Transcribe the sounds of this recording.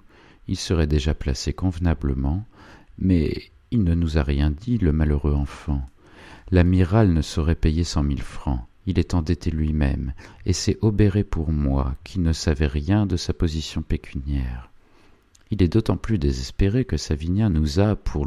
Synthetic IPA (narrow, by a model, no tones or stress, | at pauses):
ilsəʁɛd̪eʒaplasekɔ̃vnabləmɑ̃mɛ̰ | ilnənuzaʁjɛ̃d̪iləmaləʁøɑ̃fɑ̃ | lamiʁalnəsɔʁɛpejesɑ̃milfχɑ̰̃ | ilɛt̪ɑ̃d̪et̪ʰelɥimɛ̰mesɛʔɔbeʁepuʁmwa̰kʲʰinəsavɛʁjɛ̃d̪əsapɔzisjɔ̃pekʲʰynjɛːʁ | ilɛd̪ot̪ɑ̃plyd̪ezɛspeʁekəsavinjãnuzapʰuʁ